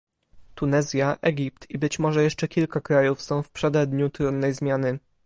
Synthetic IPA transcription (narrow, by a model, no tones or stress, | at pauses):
t̪unɛzʲjaʔɛɡʲip̚t̪ibɘt͡ɕmɔʐɛjɛʂt͡ʂɛkʲilkakɾajufsɔ̃w̃fpʂɛd̪ad̪ɲut̪ɾud̪nːɛjzmʲjanɘ